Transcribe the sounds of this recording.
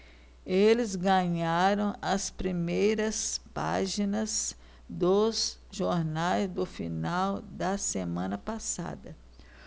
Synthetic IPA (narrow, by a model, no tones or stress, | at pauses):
elɪzɡɐ̃ɲaɾɐ̃w̃ɐspɾimejɾɐspa̰ʒinɐz | d̪ʊzʒoɾnajzd̪ʊfinawd̪ɐsemɐ̃nɐpasa̰d̪ɐ